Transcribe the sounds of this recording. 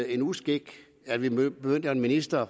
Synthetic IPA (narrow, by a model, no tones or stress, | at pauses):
e̝nusɡ̥eɡ̥ | ælʋib̥eøn̰d̥əenminisd̥ɐ